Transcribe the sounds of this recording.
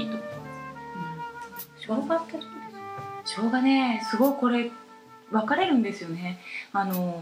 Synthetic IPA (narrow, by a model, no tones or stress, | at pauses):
it̪ok | ɯ̟̃ | ɕoɡat̪ːat̪o̥kid̪esɕo̞ːɡane̞sɨɡo̞iko̞ɾe̞ | βakaɾe̞ɾɯ̟̃nd̪e̞sɨjo̞ne̞ano̞